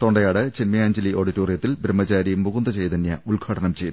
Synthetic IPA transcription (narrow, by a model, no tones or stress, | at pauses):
t̪oɳɖɐjaːɽɨt͡ɕenmɐjaːɲd͡ʑɐliʔo̞ːɽitːoːrijɐt̪ːilbɾɐmːɐt͡ɕaːɾijumːuɣund̪ɐt͡ɕejt̪ɐnːjɐulɡʰʱɐɽɐnɐmt͡ɕejt̪ːu